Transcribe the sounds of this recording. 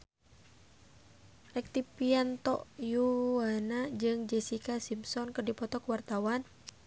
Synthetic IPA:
rɛk̚t̪ipiant̪ɔ̰ʔjuwanad͡ʒɨŋd͡ʒɛsikasimpsɔnkərdipɔt̪ɔkuwart̪awan

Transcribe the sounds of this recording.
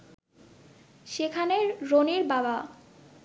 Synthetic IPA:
ʃekʰaneɾɾoniɾbaba

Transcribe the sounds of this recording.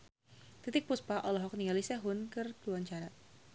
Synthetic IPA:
t̪it̪ɪk̚puspaʔɔlɔɦɔk̚niŋalisɛɦʊnkɨrluaɲt͡ʃaɾa

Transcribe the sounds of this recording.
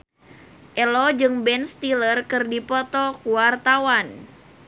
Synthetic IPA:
ʔɛlɔd͡ʒɨŋbɛnst̪ilərkɨrdipɔt̪ɔkuwart̪awan

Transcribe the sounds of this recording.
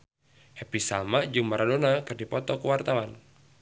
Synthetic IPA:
hɛpisa̰lmaʔd͡ʒɨŋməɾadonakɨrdipɔt̪ɔkəwart̪awan

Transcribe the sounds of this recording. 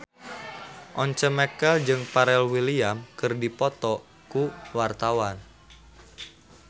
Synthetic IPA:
ʔɔɲt͡ʃəmɛkəld͡ʒɨŋpaɾɛlwiliamkɨrdipɔt̪ɔ | kuwart̪awan

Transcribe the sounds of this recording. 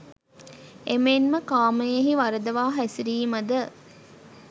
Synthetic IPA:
emenməkaːməjeɦiʋɐɾəd̪əʋaːɦæsiɾiːmɐd̪ə

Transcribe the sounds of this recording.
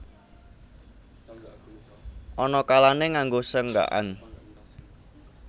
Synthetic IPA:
ʔɔnɔkalaneŋaŋɡosəŋɡa̰ʔa̰n

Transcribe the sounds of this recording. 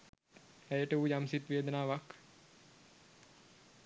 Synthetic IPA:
æjəʈəujamsit̪ʋeːd̪ənaːʋak

